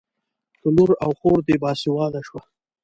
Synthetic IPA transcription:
k̪ʊluɾawxoːɾd̪ebɑːsiwɑːnaʃwa

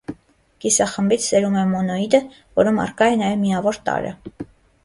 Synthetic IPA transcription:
ɡ̥isɑχəmbit͡sʰsɛɾumɛmɔnɔid̪ə | vɔɾumɑ̰rkɑjɛnɑjɛvmijɑvɔɾt̪ɑ̰ɾə̰

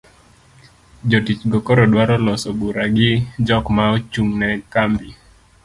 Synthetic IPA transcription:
d͡ʒotit͡ʃɡɔkoɾɔdwaɾɔlɔsobuɾaɡɪd͡ʒɔkmaot͡ʃuŋnɛkambi

